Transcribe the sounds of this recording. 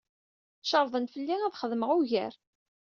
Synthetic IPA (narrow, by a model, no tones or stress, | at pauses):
ʃəɾˤðˤənfəlːiæðχəðməʁuʝæ̰ɾ